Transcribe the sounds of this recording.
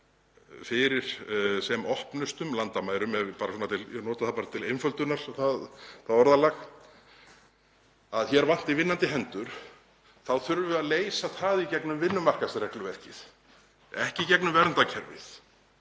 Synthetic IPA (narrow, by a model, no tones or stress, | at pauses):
fɪɾɪɾ̥sɛmɔhpnʏst̪ʏmlant̪amaːjɾʏmɛðpaːɾasɔːnat̪ʰɪlnɔːt̪aðθapaːɾat̪ʰɪlejnfœlt̪ʏnaɾ̥θaðθaðɔɾðalax | aðçɛɾvan̥t̪ivɪnːant̪ɪɦɛnt̪ʏɾ̥ | θawθʏɾvʏaðleːjsaθaːðicɛknʏmvɪnːʏmar̥kasrɛklʏvɛr̥cɪθ | ɛhcɪicɛknʏmvɛɾnt̪acʰɛɾvɪ̰θ